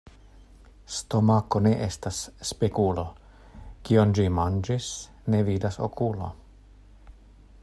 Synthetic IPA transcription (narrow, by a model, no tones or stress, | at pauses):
st̪o̞mako̞ne̞ʔestasːpekulo̞ | kiond͡ʒimand͡ʒis | ne̞vidaso̰kulo̞̰